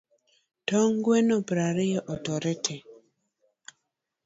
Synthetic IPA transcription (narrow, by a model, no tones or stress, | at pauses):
tɔŋɡwenopɾaɾɪjɛʔɔtɔɾɛtʰɛ